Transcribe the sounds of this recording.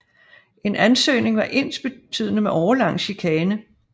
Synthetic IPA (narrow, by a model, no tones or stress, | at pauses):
ʔe̝nʔænsø̰ːne̝ŋʋɑ̈ʔe̝n̰sb̥e̝t͡sʰy̰ð̞̰ˠnəmeʔɒʊɐlɑ̈ŋ̰ɕikʰɛːnə